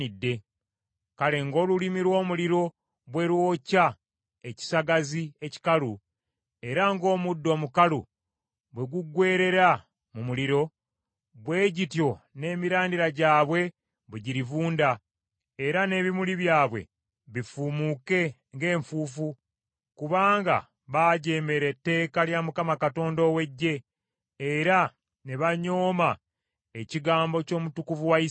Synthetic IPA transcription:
idːe̞ | kale̞ŋɡo̞ːlulimiɾwo̞ːmuliɾo̞ | βwe̞ɾwo̞ːca | e̞ci̥saɡazie̞ci̥kalu | e̞ɾaŋɡo̞ːmudːo̞ːmukalṵ | βwe̞ɡuɡwe̞ːɾe̞ɾa | mumuliɾo̞ | βwe̞ːɟitjo̞ne̞ːmiɾaːndiɾaɟaːβwe̞ | βweɟiɾivuːnda | eɾane̞ːβimuliβjaːβwe̞̰ | βifumuke̞ | ŋɡe̞ːɱfuːfu | kuβaːŋɡa̰ | βaːɟe̞ːme̞ɾe̞tːe̞ːkaljamukamakato̞ːndo̞we̞ɟːe̞ː | ɾa | ne̞βaɲo̞ːma | eciɡaːmbo̞co̞ːmutukuvuwai

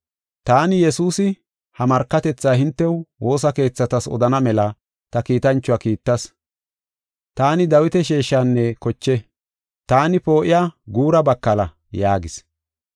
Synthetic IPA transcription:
t̪aːnɪjɛsuːsɪ | hɐmɐɾkːɐt̪ɛt͡sːaːhɪnt̪ːɛwwo̞ːsɐke̞ːt͡sːɐt̪ɐsɔ̰d̪ɐnɐmɛlɐ | t̪ɐkiːt̪ɐnt͡ʃːʊaːkiːt̪ːɐs | t̪aːnɪd̪ɐwɪt̪ɛʃeːʃːaːnːɛkɔt͡ʃːɛ | t̪aːnɪpo̞ːʔɪjaːɡuːɾɐbɐkːɐlɐ̰ | jaːɡɪs

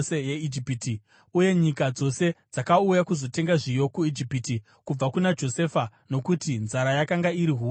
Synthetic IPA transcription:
ejeid͡ʒipiti | uje̞ɲikad͡zo̞se̞d͡zakaujakuzo̞te̞ŋɡaʐijo̞kuid͡ʒipiti | kub͡vakunad͡ʒo̞se̞fano̞kutinzaɾajakaŋɡaiɾiɦu

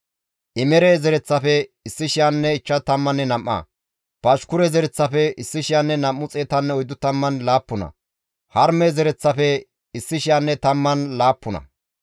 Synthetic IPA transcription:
ʔɪmɛɾeːzɛɾɛt͡sːɐfɛɪsːɪʃɪjanːɛɪt͡ʃːɐt̪ɐmːɐnːɛnɐmːɐ̰ | pɐʃkʊɾɛzɛɾɛt͡sːɐfɛɪsːɪʃɪjanːɛnɐmːʊt͡sʼeːt̪ɐnːɛɔjd̪ːʊt̪ɐmːɐnlaːpːʊnɐ̰ | hɐɾmezɛɾɛt͡sːɐfɛ | ɪsːɪʃɪjanːɛt̪ɐmːɐnlaːpːʊnɐ̰

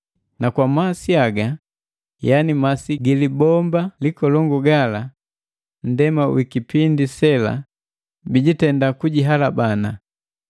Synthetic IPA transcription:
nakwamasiaɡa | janimasiɡilibɔmbalikɔlɔŋɡuɡala | n̩dɛmawikipindisɛla̰ | biɟitɛndakuɟiɦalabana

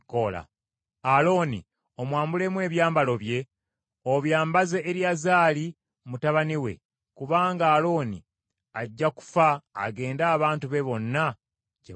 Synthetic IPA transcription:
kola̰ | alo̞ːnḭ | o̞mwaːmbule̞mwe̞ːβjaːmbalo̞βje̞ | o̞βjaːmbazeʔːɾjazaːli | mutaβaniwe̞̰ | kuβaːŋɡaːlo̞ːnḭ | aɟːaku̥fa̰ːɡe̞ːndaːβaːntuβe̞βo̞nːa | ɟe

